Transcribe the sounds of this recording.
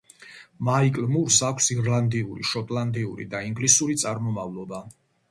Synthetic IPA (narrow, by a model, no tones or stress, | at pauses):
maikʼlmuɾsakʰʷsiɾland̪iuɾḭʃɔt̪ʼland̪iuɾḭd̪aiŋɡlisuɾit̪sʼaɾmɔmavlˠɔba